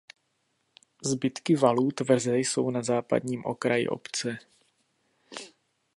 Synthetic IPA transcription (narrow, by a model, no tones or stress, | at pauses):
zbɪt̪kɪvaluːt̪vr̩zɛjso̞̰wnazaːpa̰dɲiːmʔo̞̰kɾajɪ̰ʔo̞̰pt͡sɛ